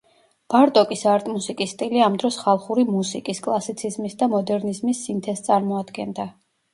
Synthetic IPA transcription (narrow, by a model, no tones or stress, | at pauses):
b̥aɾt̪ʼɔkʼisaɾt̪ʼmusikʼist̪ʼiliamd̪ɾɔsχalˠχuɾimusikʼiskʼlˠasit̪sʰizmisd̪amɔd̪ɛɾnizmisːint̪ʰɛst̪sʼaɾmɔad̪ɡɛnd̪a